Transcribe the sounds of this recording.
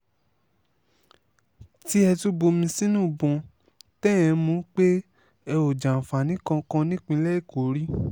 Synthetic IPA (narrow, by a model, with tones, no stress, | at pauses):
ti˦ɛ˧tu˦bo˧mĩ˧sĩ˦nũ˦˨bɔ̃˧ | tɛ˦ɛ̃˧mũ˨˦k͡pe˦ | ɛ˧o˨d͡ʒa˨fa˨nĩ˨˦kã˧kã˧nĩ˦k͡pĩ˧˦lɛ˦i˦˨ko˨˦ɾi˦